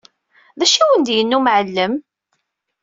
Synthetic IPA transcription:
ðæʃæwənd̪jənːumʕəlːəm

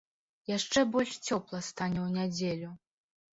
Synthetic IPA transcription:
jaʂt͡ʂɛbɔlʲʂt͡sʲɔplˠɐst̪anʲɛwnʲad͡zʲelʲu

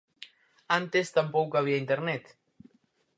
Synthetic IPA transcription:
ãnt̪est̪ampowkoaβ̞iaint̪eɾnet̪

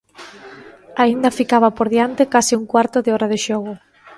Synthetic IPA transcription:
aind̪ɐfikaβɐpoɾðjant̪ekasɪuŋkwaɾt̪ʊðɪɔɾað̞eʃɔɣʊ

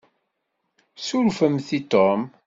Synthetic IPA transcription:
suɾfəmθit̪ɔm

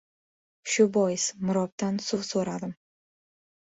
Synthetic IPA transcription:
ʃʊbɒjɪsmʊɾɒp̚t̪ansʊvsoɾad̪ɪm

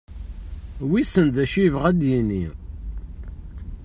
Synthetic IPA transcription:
wisənðæʃiəvʁæd̪jinːḭ

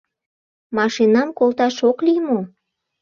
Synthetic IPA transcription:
mɑʃinɑmkolt̪ɑʃoklimo

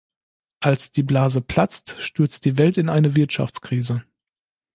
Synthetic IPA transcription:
ʔalsd̥iːblaːzəpʰl̥at͡stʃtʏɐt͡st̚d̥iːvɛltɪnʔaɪnəvɪɐtʃa̰ft͡skʁ̥iːzə

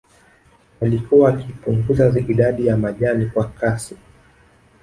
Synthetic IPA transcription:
alikuwaːkipuŋɡuzaiɗaɗijamaʄanikwakasi

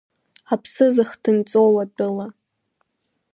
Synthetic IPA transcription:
apʰsɨzɨχdʰɨnt͡sʼowadʷʼʊla

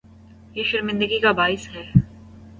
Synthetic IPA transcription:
jeːʃɪɾmɪ̃nd̪əɡikabaːɪsɦɛː

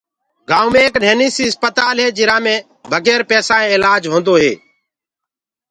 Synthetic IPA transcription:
ɡaːũːmẽːkneːniːsiːəspət̪aːlɦeːd͡ʒɪɾãːmẽː | bʱəɡeːɾpɛːsãːẽːɪlaːd͡ʒɦõːnd̪oːɦḛː

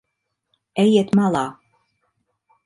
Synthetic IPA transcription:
ejet̪mɑlɑ

